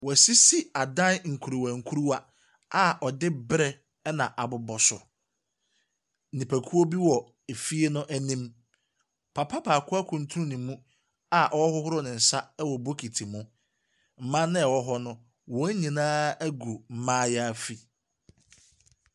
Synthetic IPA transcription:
wɔ˨æ˨si˦si˦a˨dã˦nŋ̩˨kʰu˨ɾo˨wæ̃˨ŋ̩˨kʰu˦ɾu˦wa˦ | a˦ʔɔ˨dɪ˦bɾɛ˦ | ɛ˦nã˨ʔa˨bʊ˨bɔ˨sʊ˨ | nĩ˨pʰæ˨kʰu˦o˦bi˦wɔ˨ | e˨fi˦e˦nʊ̃˦ʔæ˦nĩ˦m | pʰa˨pʰa˦pʰa˨kʰʊ˦a˦kʰʊ̃˨n˦tʰu˦ũ˦nʊ̃˨mũ˦ | a˨ʔɔ˦ɔ˦hʊ˦hʊ˦ɾʊ˦nɪ̃˨n̩˨sa˦ɛ˦wɔ˨bo˦kʰi˨tʰi˨mʊ̃˦ | m̩˨mã˦nɪ̃˦ɛ˨wɔ˦ɦɔ˦nʊ̃˦ | wɔ̃˦ɲĩ˨nãː˦æ˦ɡu˨m̩˨mãː˦jɛ˦a˦fi˨

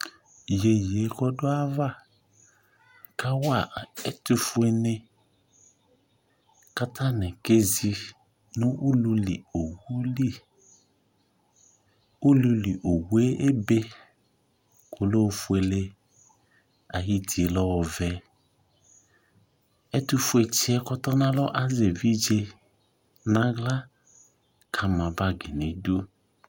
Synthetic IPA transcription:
je˨je˨˦kɔ˦do˦a˦va˦˨ | ka˦wa˨ɛ˦tu˦fu˦e˦ne˦ | ka˦ta˦nɛ̃˨ke˦zi˦ | nũ˦ʔu˦lu˦li˨o˨wu˦li˦˨ | u˦lu˦li˨ʔo˨we˦ʔe˦be˦ | kʰo˨lo˦˨fu˦e˨le˦ | a˨ɦi˦ti˨e˨lɔ˦wɔ˨vɛ˦ | ɛ˦tu˦fu˨˦e˨t͡ʃi˦ɛ˦kɔ˦tɔ˦nã˦lɔ˦ʔa˦ze˨vi˦d͡ʒe˦ | nã˦ɡla˦ | kʰa˨mã˨ba˦ɡi˨ne˨do˦

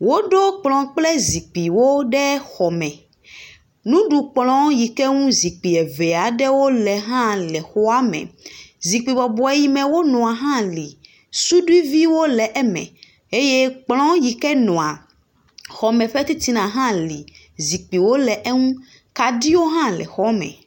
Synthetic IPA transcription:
wo˦ɖo˦k͡plɔ̃˨k͡plɛ˦zi˨k͡pi˨wo˦ɖɛ˦xɔ˨mɛ̃˨ | nũ˦ɖu˨k͡plɔ̃˦ji˨kɛ˦ŋũ˦zi˨k͡pi˨ɛ˨vɛ˨a˨ɖɛ˦wo˦lɛ˨ɦã˦lɛ˨xɔ˦a˦mɛ̰˨zi˨k͡pi˨bɔ˨bɔ˨ɛ˨ji˦mɛ̃˨wo˦nɔ̃˨a˨ɦã˦li˨ | su˦ɖu˦i˦vi˦wo˦lɛ˨ʔɛ˦mɛ̰̃˨ | e˦je˦k͡plɔ̃˦ji˨kɛ˦nɔ̃˨a˨ | xɔ˨mɛ̃˨ɸɛ˦t̪i˦t̪i˦nã˨ɦã˦li˨ | zi˨k͡pi˨wo˦lɛ˨ʔɛ˦ŋũ˦ | ka˨di˦wo˦ɦã˦lɛ̰˨xɔ˦mɛ̰̃˨

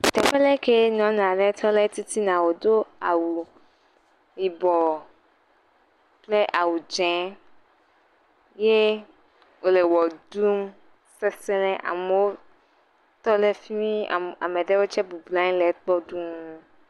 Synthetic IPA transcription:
t̪ɛ˨ɸɛ˦lɛ˦ke˦nɔ̃˨˦n˨ã˨ɖɛ˦t̪ʰɔ˦lɛ˦t̪i˦t̪i˦nã˨wo˨d̪o˦a˨wu˨ | i˨bɔ˨ | k͡ple˦ʔa˨wu˨d͡ʒɛ̃˨˦ | je˦ | wo˦le˨wɔ˨d̪u˦m | sɛ˦sɛ˦lɛ˦ʔa̰˨me˨˦wo˦ | t̪ɔ˦lɛ˦fi˦mĩ˦a̰˨a̰˨mɛ̃˨ɖe˦wo˦t͡ʃɛ˦bu˨bla˦ɲĩ˦lɛ˨˦k͡pɔ˦ɖu˦ŋũ˦

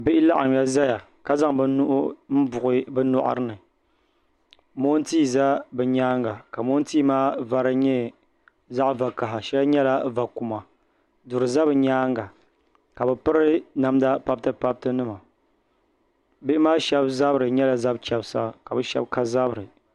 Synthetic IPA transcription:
bɪ˦ʔɪ˦la˦ʔa˨ŋ˨ja˦za˦ja˨ | ka˦za˦ŋbɨ˦nʊ˦ʔʊ̰˦m̩˦bʊ˨ʔɨ˦bɛ˦nɔ̰˦ʔa̰˨ɾɨ˦nɨ˨ | mo˦n˦tiː˦˨za˦bɛ˨ɲaː˦ŋɡa˨ka˨mo˦n˦tiː˦maː˦va˨ɾɨ˦ɲɛ˦ | za˦ʔva˨ka˨ɦa˨ʃɛ˦lɨ˦ɲɛ˦la˦va˨ku˨ma˨ | dʊ˨ɾɨ˨za˦bɨ˨ɲaː˦ŋɡa˨ | ka˨bɛ˨pɨ˦ɾɨ˦na˨mda˦pa˦b̚tɨ˦pa˦b̚tɨ˦nɨ˦ma˨ | bɪ˦ɪ˦maː˦ʃɛ˦bza˦bɨ˦ɾɨ˨ɲɛ˦la˨za˦b̚t͡ʃɛ˨bsa̰˦ka˨bɨ˦ʃɛ̰˦b̚ka˦za˦bɾɨ˨

